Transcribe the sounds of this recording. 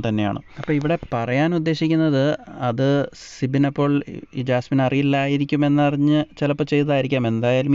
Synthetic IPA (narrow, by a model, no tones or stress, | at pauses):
t̪ɐnːe̞ja̰ːɳɨ̰ɐpːoːiʋiɽe̞pɐrɐjaːnud̪ːe̞ːɕikʲːunːɐðɨɐðɨ | sibinɐpːo̞ːɭḭːd͡ʑaːsminɐrijilːaːjiɾikʲːume̞nːɨɐrɐɲːɨt͡ɕelɐpːot͡ɕe̞jt̪ɐðaːjiɾikʲːaːme̞nd̪aːjaːlum